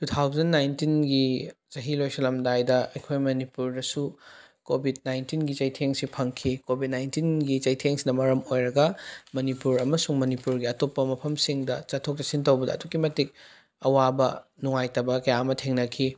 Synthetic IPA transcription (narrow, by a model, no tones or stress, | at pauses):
tutʰawzɐnːajntinɡit͡ʃɐɦilojsɐlɐmdajdɐɐjkʰojmɐnipuɾdɐsu | kobʱid̚najntinɡit͡ʃɐjtʰeŋsipʰɐŋkʰikobʱid̚najntinɡit͡ʃɐjtʰeŋsinɐmɐɾɐmojɾɐɡɐmɐnipuɾɐmɐsuŋmɐnipuɾɡiɐtopːɐmɐpʰɐmsiŋdɐt͡ʃɐtʰːok̚tɐsintɐwbɐdɐ̰ːdukːimɐtik̚ | ɐwabɐnuŋajtɐbɐkɐjaɐmɐtʰeŋnɐkʰi